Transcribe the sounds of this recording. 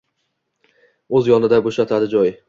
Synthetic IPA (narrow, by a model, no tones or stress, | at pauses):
ɵzjɒnɪd̪aboʃat̪ʰad̪ɪd͡ʒɒj